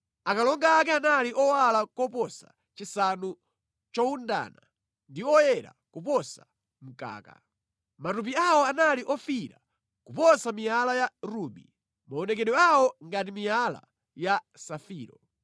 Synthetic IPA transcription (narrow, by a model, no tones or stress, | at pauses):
akalɔŋɡaːkɛanaliʔɔwalakɔpɔsa | t͡ʃisanu | t͡ʃɔunda̰ːna | ndiɔjɛɾa̰kupɔsa | m̩ka̰ːka̰ | matup̬iawɔanaliʔɔfiɾa̰ | kupɔsamialajaɾuɓḭ | maɔnɛkɛɗɔawɔŋɡatimiala̰ | ja | safiːɾɔ